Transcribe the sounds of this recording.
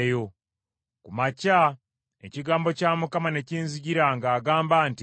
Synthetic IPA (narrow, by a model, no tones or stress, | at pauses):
jo̞ | kumaca | ḛciɡaːmbo̞caːmukamane̞ciːnziɟiɾaŋɡaːɡaːmbaːnti